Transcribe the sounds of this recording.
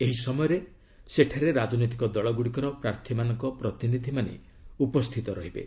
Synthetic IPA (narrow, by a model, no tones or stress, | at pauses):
eɦisɔmɔjɔɾe | seʈʰaɾeɾad͡ʒɔnot̪̬i̥kɔd̪ɔɭɔɡuɽikɔɾɔpɾaɾt̪ʰimanɔŋkɔpɾɔt̪inid̪ʱimanḛ | upɔst̪ʰit̪ɔɾɔɦibḛ